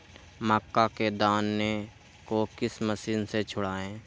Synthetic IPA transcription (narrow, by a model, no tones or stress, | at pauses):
məkːaked̪aːnːe | kokɪsməsiːnset͡ʃʰʊɽaːẽː